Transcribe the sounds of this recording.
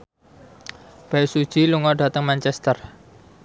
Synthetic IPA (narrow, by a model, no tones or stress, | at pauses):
b̥aɪsud̥ʒ̥iluŋɔɖä̤t̪əŋmant͡ʃɛst̪ər